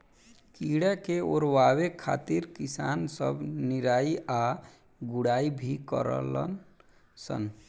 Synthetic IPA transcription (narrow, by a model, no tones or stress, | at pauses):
kiɽakeoɾwawekʰːa̰t̪iɾkisansəbniɾaia | ɡuɽaibʱikə̰ɾə̰lə̰n | sə̰n